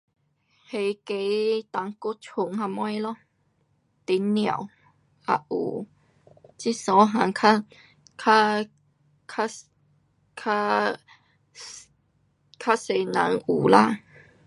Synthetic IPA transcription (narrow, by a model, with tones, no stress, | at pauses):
he˨ke˧˦t̪a˨˦ŋko˦t͡ɕʰʊ˧˨ŋɦa˧mɔ˦jlɔ˦ | t̪i˨˦nnj̃a̰˨˩˨w | a̰˧ʔṵ˨˩ | t͡ɕi˦sɔ˨˧˦ɦã˨˦ŋkʰa˦ | kʰa˦ | kʰa˦ | kʰa˦ | kʰa˦se˨˧nã̰˨˦ŋu˨˩la˦˨